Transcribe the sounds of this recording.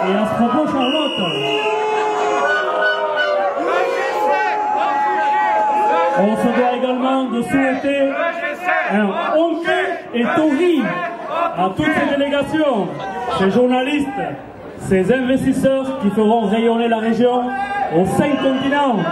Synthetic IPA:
eilsə̥pχɔpoʃɑ̃lɔt̪ | ɔ̃səd̪waeɡalmɑ̃d̪əsuet̪e | ɛ̃ɔ̃keet̪oʁi | at̪ut̪sed̪eleɡasjɔ̃seʒuʁnalist̪ | sezɛ̃vɛst̪isœʁkʲifəʁɔ̃ʁejɔnelaʁeʒjɔ̃osɛ̃kɔ̃t̪inɑ̃

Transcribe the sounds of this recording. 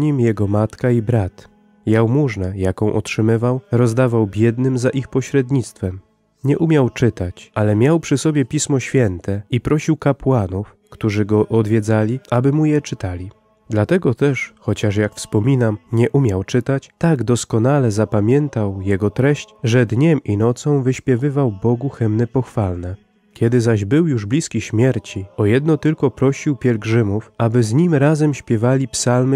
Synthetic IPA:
ɲimjɛɡɔmat̪kaibɾat̪ | jawmuʐnɛjakɔ̃w̃ʔɔ̰tʂɘmɘvawɾɔzd̪avawbʲjɛd̪nɘmzaʔixpɔɕɾɛd̪ɲit̪st̪fɛm | ɲɛʔumʲjawt͡ʂɘt̪at͡ɕʔalɛmʲjawpʂɘsɔbʲjɛpʲismɔɕfʲjɛnt̪ɛipɾɔɕiwkapwanuf | kt̪uʐɘɡɔʔɔd̪vʲjɛd̪zalʲiʔabɘmujɛt͡ʂɘt̪alʲi | d̪lat̪ɛɡɔt̪ɛʂxɔt͡ɕaʂjakfspɔmʲinamɲɛʔumʲjawt͡ʂɘt̪at͡ɕt̪aɡd̪ɔskɔnalɛzapamʲjɛnt̪awjɛɡɔt̪ɾɛɕt͡ɕʐɛd̪ɲɛminɔt̪sɔ̃w̃vɘɕpʲjɛvɘvawbɔɡuxɛmnɛpɔxfalnɛ | kʲɛd̪ɘzaʑbɘwjuʐblʲiskʲiɕmʲjɛɾt͡ɕiɔjɛd̪nɔt̪ɘlkɔpɾɔɕiwpʲjɛlɡʐɘmufabɘzɲimɾazɛmɕpʲjɛvalʲipsalmɘ

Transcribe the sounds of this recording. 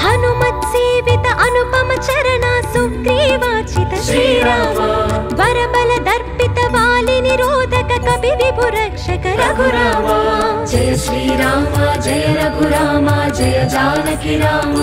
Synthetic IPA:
hɐnumɐt̪seːʋit̪ɐʔɐnupɐmɐt͡ʃɐɾɐnaːsukɾiːʋaːt͡ʃit̪ɐʃɾiːɾaːmɐʋɐɾɐbɐlɐd̪ʱɐɾpit̪ɐʋaːliniɾoːd̪ʱɐkɐkɐbʱibʱibʱuɾɐkʂɐkɐɾɐɡʱuɾaːmad͡ʒeʃɾiːɾaːmad͡ʒeːɾɐɡʱuɾaːmad͡ʒejɐd͡ʒaːnɐkiɾaːm

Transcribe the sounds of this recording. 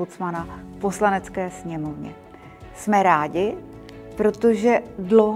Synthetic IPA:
ot͡smanafpo̞slanɛt͡skɛːsɲɛmo̞vɲɛ̰ | smɛɾaːɟɪ | pɾo̞t̪o̞ʒɛdlowɦ

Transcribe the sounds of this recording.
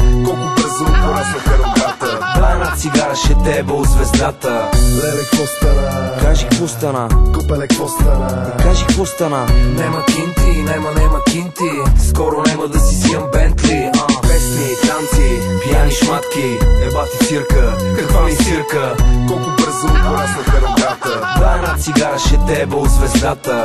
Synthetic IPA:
kɔlˠkʊbəɾzoɾasɐkɐɾoɡ̪at̪əd̪vaɛnat̪siɡaɾɐʃɛt̪ɛbɛozvɛzd̪at̪ənɛɛkɔst̪akaʒikkvɔst̪ɐnakopɛɛkɔst̪nad̪ɐkaʒikpost̪ɐnanɛmɐk̟int̪inɛmɐnɛmɐkʲint̪iskɔɾʊnɛmɐd̪ɐsisijəmbɛnt̪liɐvɛsnit̪ant̪ipijaniʃmat̪kʲiɛd̪vat̪it̪siɾkəkɐkvaɛsiɾkəkɔlˠkʊbəɾzəpoɾɛsnɐkɐɾod̪at̪ə | d̪vaɛnat̪siɡaɾəʃɛt̪ɛbɛʊzvɛzd̪at̪ə

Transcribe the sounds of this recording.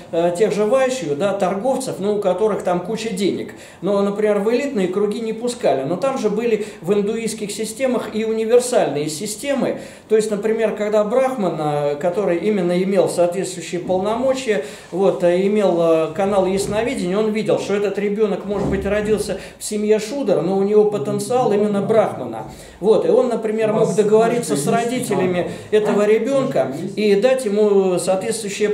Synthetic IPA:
tʲe̞ɣʐɨvajʉɕːɪjʊd̪at̪ɐrɡo̞ft̪səfnuːkɐt̪o̞ɾɨxt̪amkut͡ɕədʲenʲɪ̰k | nonəpɾʲɪmʲervɨlʲit̪nɨjəkɾʊɡʲinʲɪpʊskalʲɪno̞t̪amʐɨbɨlʲɪvɨnd̪ʊiskʲɪxsʲɪsʲtʲe̞məxiʊnʲɪvʲɪrsalʲnɨjəsʲɪsʲtʲe̞mɨ | t̪o̞ɪsʲtʲnəpɾʲɪmʲe̞rkɐɡd̪abɾaxmənəkɐt̪o̞ɾɨjimʲɪnːəɪmʲe̞lˠsɐːt̪vʲet̪st̪vʊjʏɕːɪjəpəlˠnɐmo̞t͡ɕɪjə | vo̞t̪ɪmʲe̞lˠkɐnalˠjɪsnɐvʲidʲɪnʲɪjo̞nvʲidʲɪlˠʂt̪oɛt̪ət̪ɾʲɪbʲo̞nəkmo̞ʐɨd̪̚bɨtʲrɐdʲilˠsʲə | fsʲɪmjeʂud̪əɾənoʊnʲɪvo̞pət̪ənt̪sɨalˠimʲɪnːəbɾaxmənə̰ | vo̞t̪ɪo̞nːəpɾʲɪmʲe̞rmo̞ɡd̪əɡəvɐɾʲit̪sːəsrɐdʲitʲɪlʲɪmʲɪ | ɛt̪əvəɾʲɪbʲo̞nkəid̪atʲjɪmusɐːt̪vʲe̞t̪st̪vʊjʉɕːɪjə

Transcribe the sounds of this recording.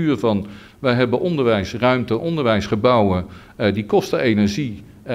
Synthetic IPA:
yːrvɑn | ʋɛjɦɛbənʔɔndəɹʋɛjsrœɥmtəʔɔndəɹʋɛjsχəbɑwə | dikɔstəejnɛɹʒi

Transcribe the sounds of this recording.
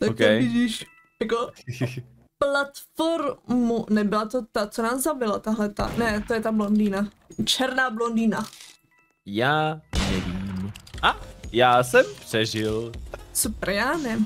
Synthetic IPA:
t̪akɛvɪɟiːʃ | jako | plat̪foɾmunɛbɪlat̪ot̪at͡sonaːszavɪlat̪aɦlɛt̪a̰nɛt̪ojɛt̪ablondina | t͡ʃɛɾnaːblondina | jaːnɛviːmʔajaːsɛmpr̥ɛʒɪlsupɛɾjaːnɛ

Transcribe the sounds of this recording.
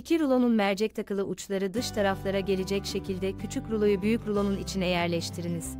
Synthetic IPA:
icʰiɾulˠonunmæɾd͡ʒɛc̚t̪ʰakʰɯlˠɯʔut͡ʃlˠaɾɯd̪ɯʃt̪ʰaɾaflˠaɾaɟe̞lʲed͡ʒɛcʃe̞cʰilʲd̪ɛcʰyt͡ʃʰycɾulˠojubyjycɾulˠo̞nunit͡ʃʰinɛjæɾlʲɛʃt̪ʰiɾiniz̥

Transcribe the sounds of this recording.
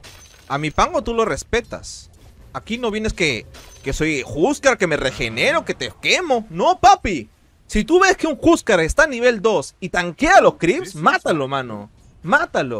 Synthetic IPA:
amipaŋot̪ulo̞re̞spe̞t̪a̰s | akino̞βje̞ne̞skekeso̞jxuskaɾke̞me̞rexe̞ne̞ɾo̞ke̞t̪eke̞mo̞no̞papi | sit̪uβe̞skeuŋxuskaɾest̪aniβ̞e̞ld̪o̞sit̪aŋkealo̞skɾipsmat̪alo̞mano̞̰ | mat̪alo̞̰

